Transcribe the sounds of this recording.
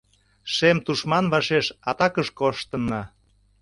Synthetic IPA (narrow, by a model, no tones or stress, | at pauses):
ʃemt̪uʃmɑnβɑʃeʃɑt̪ɑkəʃkoʃt̪ənːɑ